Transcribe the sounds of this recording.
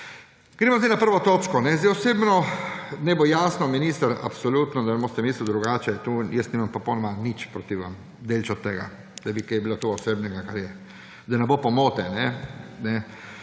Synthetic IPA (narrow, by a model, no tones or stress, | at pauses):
ɡ̥ɾeːmɔzejɪnapəɾʋɔt̪oːt͡ʃkɔnɛzd̪ɛjɔseːbnɔnɛbojaːsnɔminist̪əɾa̰psolut̪nɔd̪anɛbost̪ɛmislud̪ɾuɡaːt͡ʃɛt̪ujɛst̪niːmampɾɔpownɔmanit͡ʃpɾot̪iʋa̰m | d̪elʲt͡ʃɔt̪ːeɡa̰ | d̪̥abikejbilot̪uɔseːbnɛɡakaɾjɛ | d̪anɛbopomoːt̪ɛnɛnɛ